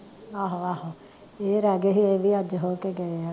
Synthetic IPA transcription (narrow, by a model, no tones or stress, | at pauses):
aːɦoaːɦo | eːɾaːɡeːɦiːeːʋiːəd͡ʒɦoːkeːɡəea